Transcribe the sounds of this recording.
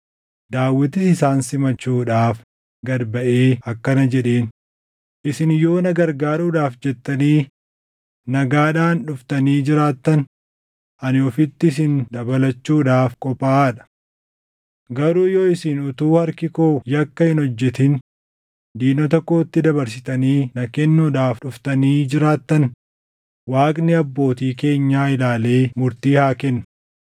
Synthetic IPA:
d̪aːwːɪt̪ɪɪsaːnsɪmɐt͡ʃːuːᶑaːf | ɡɐɾbɐʔeːɐkːɐnɐd͡ʒɛᶑeːn | ʔɪsɪnjo̞ːnɐɡɐɾɡaːɾuːᶑaːfd͡ʒɛt̪ːɐniː | nɐɡaːᶑaːnᶑʊft̪ɐniːd͡ʒɪɾaːt̪ːɐn | ʔɐnɔfɪt̪ːɪɪs̬ɪnd̪ɐbɐlɐt͡ʃːuːᶑaːfkʼɔpaːᶑɐ̥ | ɡɐɾuːjoːɪsɪnʊt̪uːhɐɾkɪkoːjɐkːɐhɪnhɔd͡ʒːɛt̪ɪn | d̪iːnɔt̪ɔkːo̞ːt̪ːɪd̪ɐbɐɾs̬ɪt̪ɐniːnɐkɛnːuːᶑaːfᶑʊft̪ɐniːd͡ʒɪɾaːt̪ːɐn | waːkʼnɪɐbːo̞ːt̪iːke̞ːɲːaːɪlaːle̞ːmʊɾt̪iːhaːkɛnːʊ̥

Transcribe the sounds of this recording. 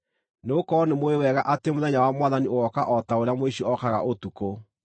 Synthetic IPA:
neokɔnemoewɛɣaʔatemoðɛɲawamwaðanioɔkaʔɔtaoɾejamoeɕoɔkaɣa̰ʔotuko

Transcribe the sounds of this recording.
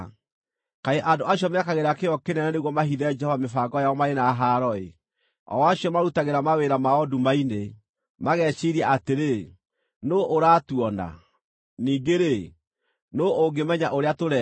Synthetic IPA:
kaeʔandoaɕjɔmeakaɣeɾakeɔkenɛnɛneɣwɔmaɦiðɛd͡ʒɛhɔvamefaɡɔjaɔmaɾenaːɦaɾɔe | ɔ̰waɕjɔmaɾutaɣeɾamaweɾamaɔdumaine | maɣɛːɕiɾiaʔateɾe | noːʔoɾaːtuɔna̰ | niːŋɡeɾe | nooɡemɛɲaʔoɾeatoɾɛ

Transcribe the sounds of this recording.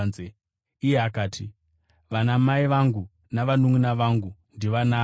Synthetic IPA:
e | ijeakaːtʰi | ʋanamaiʋaŋɡu | naʋanuŋunaʋaŋɡundiʋanaː

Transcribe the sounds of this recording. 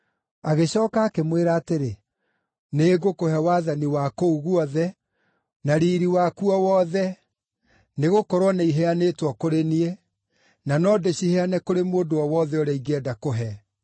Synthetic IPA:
aɣeɕɔːkaːkemweɾaːteɾe | neɡokohɛwaːðaniwakouɣuɔðɛ | naɾiːɾiwakuɔwɔðɛ | neɣokɔɾwɔneiɦɛaneːtwɔkoɾenie | nanɔdeɕihɛanɛkoɾemoːndowɔwɔðɛoɾɛiɡɛdakoɦɛ

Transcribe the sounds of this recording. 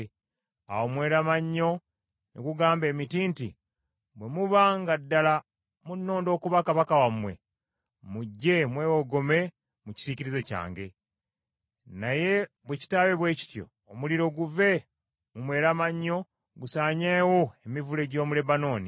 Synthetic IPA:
a̰womwe̞ːɾamaɲːo̞ | neɡuɡaːmbe̞ːmitiːnti | βwe̞muβaŋɡadːala | munːo̞ːndo̞ːkuβakaβakawamwe̞̰ | muɟːe̞mweːwoɡo̞me̞ | muci̥siciɾizeca̰ːŋɡe̞ | naje̞ | βweci̥taːβeβwe̞ːci̥tjo̞̰ːmuliɾo̞ɡuve̞ | mumwe̞ːɾamaɲːo̞ | ɡusaːɲewoemivule̞ɟo̞ːmule̞bano̞ːni

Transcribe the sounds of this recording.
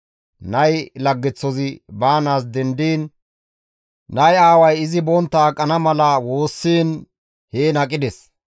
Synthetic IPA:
nɐjlɐɡːɛt͡sːɔzɪbaːnaːs̬d̪ɛnd̪iːn | ɐjaːwɐjɪzɪbɔnt̪ːɐːkʼːɐnɐmɐlɐwo̞ːsːiːn | heːnɐkʼːɪd̪ɛs

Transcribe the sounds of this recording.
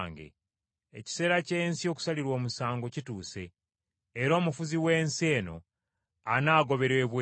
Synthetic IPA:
ŋɡe̞̰ | ḛci̥se̞ːɾace̞ːnsio̞ku̥saliɾwo̞ːmusaːŋɡo̞cituːse̞ː | ɾo̞ːmufuziwe̞ːnseːno̞̰ | anaːɡo̞βe̞ɾeːβwe

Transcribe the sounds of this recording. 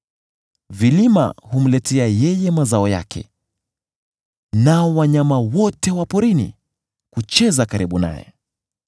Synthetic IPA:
vilima̰hum̩lɛtʰɛajɛjɛmazaɔja̰kʰɛ̰ | naɔwaɲamawɔtɛwapɔɾinḭ | kut͡ʃɛzakaɾiɓuna̰jɛ̰

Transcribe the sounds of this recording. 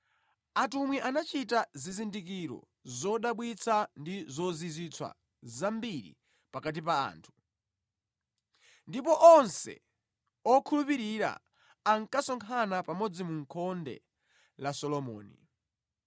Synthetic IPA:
atumwiʔanat͡ʃitazizindik̬iɾɔ̰ | zɔɗaɓwit͡sʰandizɔzizit͡sʰwa̰ | zambiɾḭ | pakat̬ipaa̰ːntʰu̥ | ndipɔʔɔnsɛ̰ | ɔkʰulupiɾiɾa̰ː | ŋkasɔŋkʰanapamɔd͡zimuŋkʰɔndɛ̰ | lasɔlɔmɔ̰ːnḭ

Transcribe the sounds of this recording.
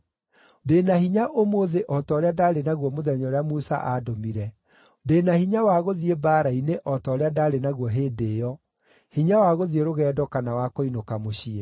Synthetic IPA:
deːnahiɲaʔomoðeʔɔtɔɾeadaːɾenaɣwɔmoðɛɲɔɾeamusa̰ʔadomiɾɛ | deːnahiɲawaɣoðiebaːɾaineʔɔtɔːɾeadaːɾenaɣwɔɦeːdeːjɔ | hiɲawaɣoðieɾoɣɛːdɔkanawakoinokamoɕie

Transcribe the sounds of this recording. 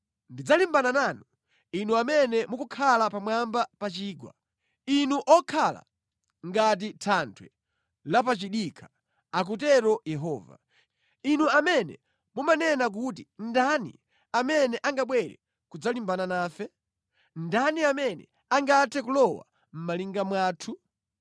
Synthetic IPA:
ndid͡zalimbananaːnu | inuamɛnɛmukukʰalapamwambapat͡ʃiːɡwa̰ | inuʔɔkʰala̰ | ŋɡat̬itʰantʰwɛ | lapat͡ʃiɗikʰḁ | ak̬ut̬ɛɾɔjɛɦɔːva̰ | inuamɛnɛ̰ | mumanɛnak̬ut̬indanḭ | amɛnɛʔaŋɡaɓwɛɾɛ̰ | kud͡zalimbananaːfɛ | ndaniamɛnɛ̰ | aŋɡatʰɛkulɔwa̰ | m̩maliŋɡamwaːtʰu

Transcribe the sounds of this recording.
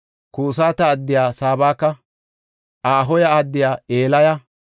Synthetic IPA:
kuːs̬aːt̪ɐːd̪ːɪjaːsaːbaːkːɐ | ʔaːɦɔjɐad̪ːɪjaːeːlɐja

